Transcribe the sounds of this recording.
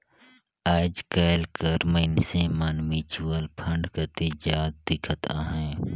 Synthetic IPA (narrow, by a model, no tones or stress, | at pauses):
aːd͡ʒkeːlkəɾməɪnsẽmaːnmit͡ʃuəlpʰə̃ɳɖkət̪id͡ʒaːd̪̚d̪ɪkʰət̪a̰ːɦɛ̃ː